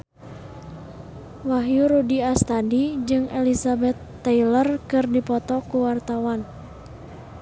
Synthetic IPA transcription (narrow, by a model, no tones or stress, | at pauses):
waɦjuɾudiast̪adid͡ʒɨŋɛlisabɛt̪ːailərkɨrdipɔt̪ɔkuwart̪awan